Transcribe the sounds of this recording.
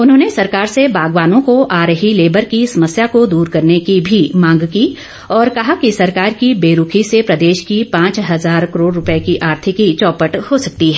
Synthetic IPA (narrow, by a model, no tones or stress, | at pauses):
ʊnɦõːnesɐɾkaːɾsebaːɡʋaːnõkoʔaːɾɦileːbəɾkisɐməsjakod̪uːɾkɐɾnekibʱimãːŋɡkiː | ɔːɾkɐɦakisɐɾkaːɾkibeːɾʊkʰisepɾɐd̪eːʃkipãːt͡ʃɦɐzaːɾkəɾoːɽːʊpekiʔaːɾt̪ʰɪkit͡ʃɔːpəʈhosɐk̚t̪iɦɛː